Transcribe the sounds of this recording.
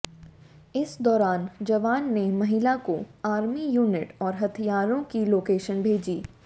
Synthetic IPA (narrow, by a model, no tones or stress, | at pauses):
ɪsd̪ɔːɾaːnd͡ʒɐʋaːnːemɐɦɪlakoaːɾmijuːnɪʈɔːɾɦɐt̪ʰijaːɾõkiloːkeːʃənbʱeːd͡ʒiː